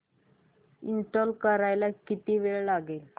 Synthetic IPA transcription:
iɳʈɔlkəɾajlakit̪iʋeɭlaɡel

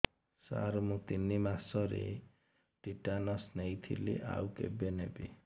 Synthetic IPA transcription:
sa̰ɾmut̪inːimasɔɾḛ | ʈiʈanʌsnejt̪ʰḭlḛʔa̰wkḛbenebi

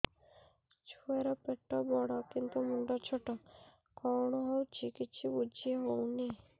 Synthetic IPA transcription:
t͡ʃʰueɾɔpeʈːɔbɔɽɔkint̪umuɳɖɔt͡ʃʰɔʈɔ | kɔɾɳɔɦowt͡ʃʰikit͡ʃʰibud͡ʒiɦowni

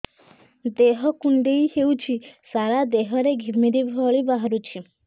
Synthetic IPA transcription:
d̪eɦɔkuɳɖeiɦeut͡ʃʰisaɾad̪eɦɔɾeɡʱimiɾibʱɔɭibaɦɾut͡ʃʰi

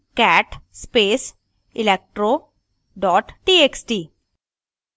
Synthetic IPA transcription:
kɛːʈspeːs | ɪlek̚ʈɾo | ɖɔːʈʈieksʈiː

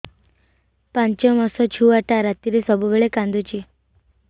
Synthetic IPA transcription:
pãɲt͡ɕɔmɔsɔt͡ɕʰuʋaʈaɾat̪iɾesɔbuʋeɭekãnd̪ʱut͡ɕi

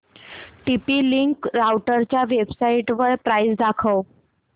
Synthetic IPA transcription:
ʈipiliŋkɾawʈəɾt͡ɕjaʋebsaiʈʋəɭpɾajsd̪akʰəw

